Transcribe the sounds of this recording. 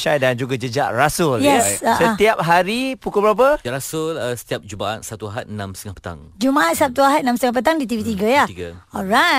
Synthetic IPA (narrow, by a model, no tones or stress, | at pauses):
ʃajdand͡ʒuɡad͡ʒəd͡ʒaʔrasʊljɛsasət̪iap̚ɦaɾipukubəɾap̬əɾasʊlsə̥t̪iap̚d͡ʒubaa̰t̪̚sat̪uaɦat̪̚namst̪əŋahpə̥t̪a̰ŋd͡ʒumaʔat̪̚sat̪uaɦat̪̚nãmst̪əŋapət̪aŋdit̪ivit̪iɡajahiɡaɔlɹa